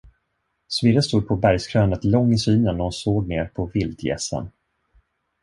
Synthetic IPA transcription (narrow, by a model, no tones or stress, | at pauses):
svɪɾəst̪uːd̪̚pʰɔbæɾjskʰɾœːnət̪lɔŋːɪsyːnənːɾhʊnsoːɡ̚neːɾpʰɔvɪld̪jɛ̰sə̰n